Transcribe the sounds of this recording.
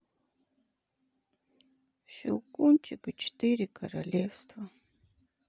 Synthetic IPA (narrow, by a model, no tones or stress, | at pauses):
ʃʊ̰kʊnt͡ʃɪkt͡ʃt̪ɪɾɪkʰaɾalefst̪wa